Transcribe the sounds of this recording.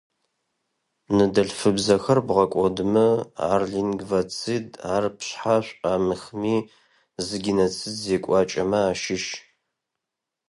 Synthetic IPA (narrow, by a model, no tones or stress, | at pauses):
nɨdɐɬfɨbzɐxɐrbʁɐkʷʼɔdɨmɨa̰rɮiŋɡvat͡sʰidaːrpʰɕħaɕʷʼaːmɨxmiː | zɨɡʲinɐt͡sʰɨzzeːkʷʼɑːt͡ʃʼɐmɐaːʃɪʃ